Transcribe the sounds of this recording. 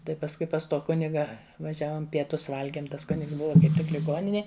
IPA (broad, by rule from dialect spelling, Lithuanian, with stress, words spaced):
ˈtɐɪ pɐsˈkʊɪ pɐs ˈtoː ˈkʊnʲɪɡɐ ʋɐˈʒʲæːʋoːm pʲiɛˈtʊs ˈʋɐlʲɡʲiɛm ˈtɐs ˈkʊnʲɪks ˈbʊʋɐ kɐɪp ˈtʲɪk lʲɪˈɡoːnʲɪnʲeːj